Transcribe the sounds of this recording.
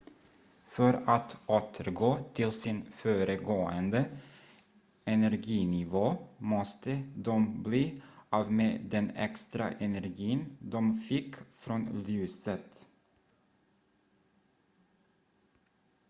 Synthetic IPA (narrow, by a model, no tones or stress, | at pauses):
fœɾɑt̪ʔoːt̪ʰəɾɡoːt̪ʰɪlsɪnføːɾəɡoːənd̪ə | ɛnæɾɡiːnɪʋoːmɔst̪əd̪ɔmbliːʔɑːʋmeːd̪ɛnɛ̰kst̪ɾɑ̰ʔɛnæɾɡiːənd̪ɔmfɪkfɾɔnlyːsət̪